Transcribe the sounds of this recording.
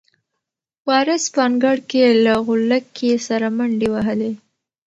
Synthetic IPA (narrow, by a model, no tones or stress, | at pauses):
wɑɾəspɑŋɡaɽkelaɣʊlakʰːesaɾamaɳɖewaɦəle